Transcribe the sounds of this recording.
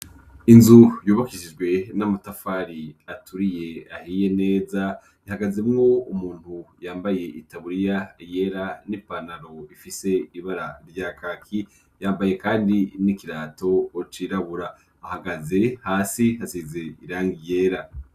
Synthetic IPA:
inzujuːβakiʃid͡ʒɡwe̞namutafaːɾiatuɾije̞ahiːje̞ne̞ːza | jahaɡaze̞mŋo̞umuːn̥hujaːmbaje̞ʔitaβuɾijaje̞ɾanipanaɾo̞ifise̞iβaɾaɾɟaːkakʰi | jaːmbaje̞kaːndinikiɾaːto̞ːt͡ʃiɾaβuɾaː | haɡaze̞haːsihazize̞iɾaːŋɡije̞ːɾa

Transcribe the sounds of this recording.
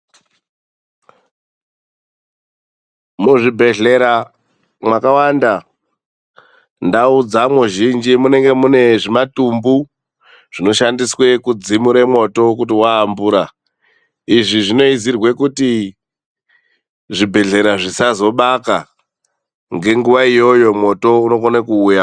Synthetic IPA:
muʐibʱe̞ɮe̞ɾa | mwakawanda | ndaud͡zamuʒind͡ʒimune̞ŋɡe̞mune̞ʐimatumbu | ʐ̥ino̞ʃandiswe̞kud͡zimuɾemwo̞to̞k̬utiwaːmbuːɾa | iʐiʐino̞izirwe̞kuti | ʐibʱe̞ɮe̞ɾaʐisazo̞ɓaka | ŋɡe̞ŋɡuʋaijo̞jo̞mwo̞to̞uno̞konekuːja

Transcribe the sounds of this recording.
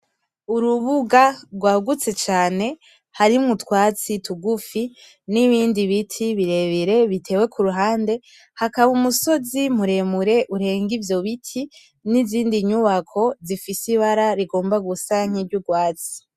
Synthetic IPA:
uɾuβuɡaɾɡwaːɡut͡se̞t͡ʃaːne̞ | haɾimŋutwaːt͡situɡufi | niβiːndiβitʰiβiɾe̞βiɾe̞βitʰe̞ːwe̞kʰuɾuɦaːnde̞ | hakaβumuso̞zim̥uɾe̞muɾe̞ʔuɾe̞ːŋɡivjo̞βitʰi | niziːndiɲuβakʰo̞zifisiβaɾaɾiɡo̞ːmbaɡusaŋ̥iɾɟuɡwaːt͡si̥

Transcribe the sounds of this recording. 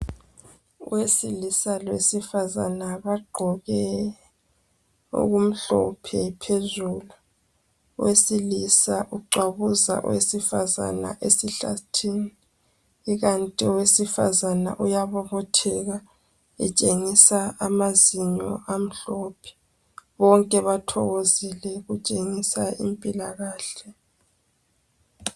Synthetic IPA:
ṵwesilisalwesifaza̰naβaɡ͡ǃʱɔɣɛ | ṵɣum̩ɬɔ̰pʰɛpʰezuːlṵ | wesilisaʔuǃwaβuza̰ʔṵwesifaza̰na̰ʔesiɬa̰tʰiːni | iɣantʼiwesifa̰zana̰ʔujaβɔβɔtʰɛɣa | ɛ̰t͡ʃʼeŋisaamaziɲɔ̰ʔam̩ɬɔpʰɛ̥ | βɔŋkʼɛβatʰɔ̰ɣozilɛɣut͡ʃʼeŋisaḭmpʼilaɣaːɬɛ

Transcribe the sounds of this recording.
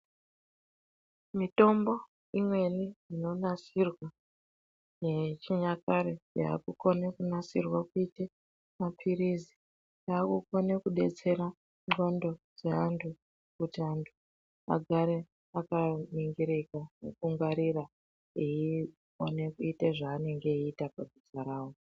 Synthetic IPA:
mito̞mbo̞ | imwe̞niino̞nasirwa | jet͡ʃiɲakaɾeja̰a̰kuko̞nekunasirwakuite | mapʰiɾizi̥ | jaːkukonekuɗe̞t͡se̞ɾa | ŋ͡ǃo̞ndo̞d͡ze̞antʰu | kutiantʰu | a̰ɡʱaɾe | akamiŋɡiɾikanḛkuŋɡaɾira | ii | one̞kuiteʐaːne̞ŋɡe̞iːtapabʱisaɾaːwo

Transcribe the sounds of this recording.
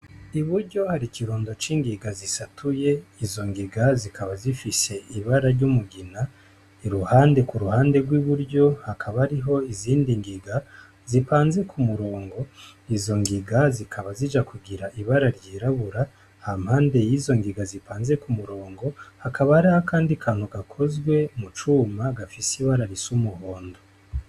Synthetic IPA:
iβuɾɟo̞haɾikiɾuːndo̞t͡ʃiːŋɡiɡazisatʰuje̞izo̞ŋɡiɡazikʰaβazifise̞iβaɾaɾɟumuɡina | iɾuhaːnde̞kuɾuhaːnde̞ɡwiβuɾɟo̞hakʰaβaɾiɦo̞iziːndiŋɡiɡa | zipaːnze̞kʰumuɾo̞ːŋɡo̞izo̞ŋɡiɡazikʰaβazid͡ʒakuɡiɾaʔiβaɾaɾɟiːɾaβuɾa | hamhaːnde̞jiːzo̞ŋɡiɡazipʰaːnze̞kumuɾo̞ːŋɡo̞hakʰaβahaɾihakʰaːndikʰaːn̥huɡakʰo̞zɡwe̞mut͡ʃuːmaɡafisiβaɾaɾisumuhoːndo

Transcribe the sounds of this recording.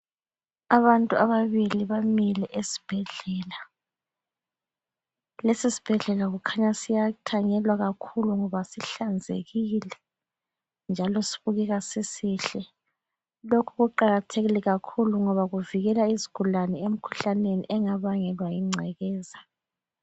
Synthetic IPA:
aβantʼuaβaβiliβamilɛʔesi̥b̥ʱɛɮɛːla | lesisi̥b̥ʱɛɮɛlaɣukʰaɲasijatʰaɲɛlwaɣakʰuluŋɔβasiɬand͡zʱḛɣilɛ | nd͡ʒʱalɔsi̥βuɣɛɣasisiːɬɛ | lokʰuɣuǃaɣatʰeɣilɛɣakʰuluŋɔβaɣuviɣɛlaiziɡ̥ʱulanɛem̩kʰu̥ɬaneniʔɛŋaβaŋɛlwajiŋ͡ǀʱɛɣɛːza

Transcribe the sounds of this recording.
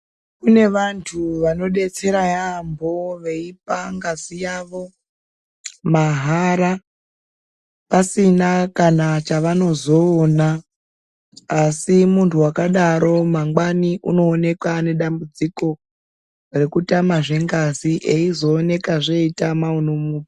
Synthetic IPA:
kune̞ʋantʰuʋano̞ɗe̞t͡se̞ɾajambʱo̞ʋe̞ip̚aŋɡazijaʋo̞ | maɦaɾa | pasinakanat͡ʃaʋano̞zo̞ːna | simuntʰuwakaɗaɾo̞maŋɡwaniʔuno̞ːne̞kwane̞ɗambud͡ziko̞ | re̞kutamaʐe̞ŋɡaziʔeizo̞ːne̞kaʐe̞itamaunomuːpi

